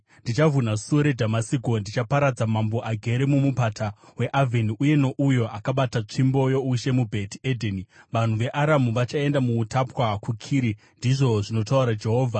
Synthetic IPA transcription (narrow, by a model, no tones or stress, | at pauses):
ndit͡ʃavʱunasuoɾe̞dʱamasikondit͡ʃapaɾad͡zamambo̞ʔaɡʱe̞ɾemumupatawe̞ʔavʱeniʔuje̞no̞ʔujo̞akaɓatat͡ʂimbo̞jo̞uʃe̞mubʱe̞tiedʱeniʋan̤uʋe̞ʔaɾamuʋat͡ʃae̞ndamuːtapwakukʰiːɾi | ndiʐo̞ʐino̞tauɾad͡ʒe̞ɦo̞ːvʱa